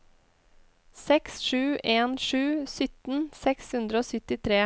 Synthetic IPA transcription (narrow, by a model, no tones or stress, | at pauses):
sɛksʃʉːʔeːnʂʉːsʏt̪n̩sɛkshʉnd̪ɾəoːsʏt̪ɪt̪ʰɾeː